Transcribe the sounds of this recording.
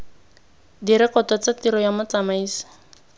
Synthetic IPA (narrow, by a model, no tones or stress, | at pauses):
diɾɛkɔtɔt͡satiɾɔjamʊt͡samaiːsi̥